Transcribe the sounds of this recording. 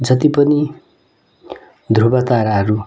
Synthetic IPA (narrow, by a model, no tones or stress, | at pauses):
d͡zʌt̪ipʌni | d̪ʱrubat̪aɾaɦʌɾu